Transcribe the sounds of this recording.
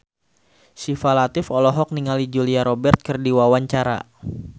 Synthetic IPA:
sifalat̪ɪfɔlɔɦɔk̚niŋalid͡ʒuliaɾɔbɛrt̪̚kɨrdiwawaɲt͡ʃaɾa̰

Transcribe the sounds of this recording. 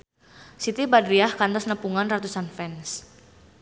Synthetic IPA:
sit̪ibadɾiahkant̪ɔsnəpuŋanrat̪usanfɛns

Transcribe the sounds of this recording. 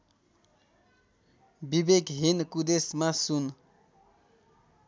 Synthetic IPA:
bibekɦinkud̪esmasun

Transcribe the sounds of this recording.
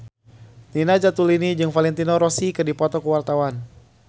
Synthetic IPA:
ninad͡ʒat̪ulinid͡ʒɨŋfalɛnt̪inɔɾɔsikɨrdipɔt̪ɔkəwart̪awan

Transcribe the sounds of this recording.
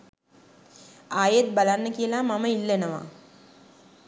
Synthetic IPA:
aːjet̪̚balanːəkijəlamaməilːenəʋa̰

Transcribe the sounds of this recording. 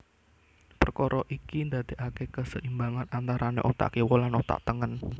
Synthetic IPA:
pərkɔɾʔɔʔikind̪at̪e̤ʔakekəsəʔimbaŋanant̪aɾʔanḛʔɔt̪a̰kewɔlanɔt̪a̰ʔt̪əŋən

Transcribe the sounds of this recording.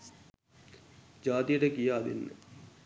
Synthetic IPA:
d͡ʒaːt̪ijəʈəkijaːd̪ḛnːə̰

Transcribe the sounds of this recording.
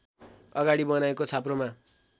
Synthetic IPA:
ʌɡaɽibʌnaekot͡sʰaproma

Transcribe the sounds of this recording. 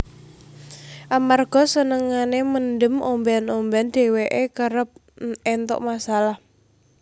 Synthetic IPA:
ʔamarɡ̥ɔ̤sənəŋaneməndəmʔombanomband̪̥e̤weʔekəɾəp̚ | ɛnt̪ɔ̰ʔmasalah

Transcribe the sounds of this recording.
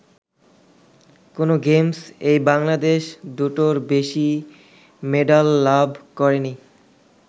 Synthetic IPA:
konoɡemsejbaŋlad̪eʃd̪uʈoɾbeʃi | meɖalːabʱkɔɾeni

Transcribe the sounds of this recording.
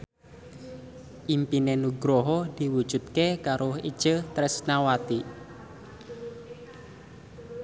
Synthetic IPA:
ʔimpinenuɡɾoɦɔd̪̥iwud̥ʒ̥ṳt̪̚kekaɾoḭd̥ʒ̥ət̪ɾɛsnawat̪i

